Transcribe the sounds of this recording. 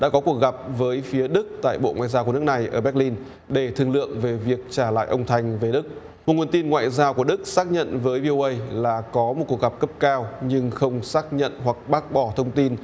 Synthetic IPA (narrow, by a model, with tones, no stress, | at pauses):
ɗa̰ː˧˥kɔ˨˦ku˨˩ək̚ɣa˨˩p̚vəː˨˦jfi˨˦əɗɨ˦˥k̚t̪a̰ː˧˨jɓo̰˧˨ŋwa̰ː˧˨jzaː˧wku˧˩n˦˥k̚na˨˩jʔəː˧˩ɓɛ˦˥k̚li˧n | ɗe˧˩t̪ʰɨ˨˩əŋlɨ̰˧˨əŋve˨˩vi˨˩ək̚t͡ɕaː˧˩la̰ː˧˨jʔə˧wŋ͡mt̪ʰa˧jŋ̟ve˨˩ɗɨ˦˥k̚ | mo˨˩t̚ŋu˨˩ənt̪i˧nŋwa̰ː˧˨jzaː˧wku˧˩əɗɨ˦˥k̚saː˦˥k̚ɲə̰˧˨nvəː˨˦jvi˧o˧ʔə˧jlaː˨˩kɔ˨˦mo˨˩t̚ku˨˩ək̚ɣa˨˩p̚kə˦˥p̚kaː˧wɲɨ˧ŋxə˧wŋ͡msaː˦˥k̚ɲə̰˧˨nɦwa˨˩k̚ɓaː˦˥k̚ɓɔ˧˩t̪ʰə˧wŋ͡mt̪i˧n